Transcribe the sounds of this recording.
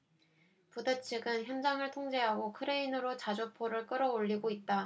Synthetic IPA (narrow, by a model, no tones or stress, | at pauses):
pudɯt͡ɕʰiɡɯnçjʌnd͡ʑaŋɯɭtʰoŋd͡ʑe̞ɦaɡokʰɯɾe̞inɯɾot͡ɕad͡ʑopʰoɾɯɭk͈ɯɾʌoʎːiɡoit̚t͈a